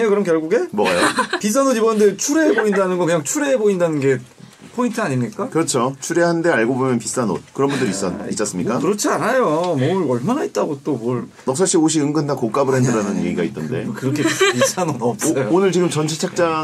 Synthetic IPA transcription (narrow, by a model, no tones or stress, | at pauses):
ekɯɾʌmkjʌɭɡuɡe̞mwʌɡajopis̬͈ʰanodibʌnɯnde̞t͡ɕʰuɾeɦeboindanɯnɡʌkɯɲaŋt͡ɕʰuɾeɦeboindanɯnɡe̞ | pʰointʰɯaɲimɲik͈akɯɾʌt͡ɕʰot͡ɕʰuɾe̞ɦannde̞aɭɡobomjʌnpis͈ano̰t̚kɯɾʌnbundɯɾis͈ʌis͈ʌs͈ɯmɲik͈akɯɾʌt͡ɕʰianajomʌɯɭʌɭmanait̚t͈aɡot͈omʌɭ | mʌk̚s͈ʰaɭɕ͈ioɕ̬ʰiɯŋɡɯndakok͈abɯɾe̞ndɯɾanɯnḛɡiɡait͈ʌnde̞̰kɯɾʌkʰepis͈ʰanodʌp̚s͈ʌjoonɯɭt͡ɕiɡɯmt͡ɕʌnt͡ɕʰet͡ɕʰak̚t͡ɕ͈a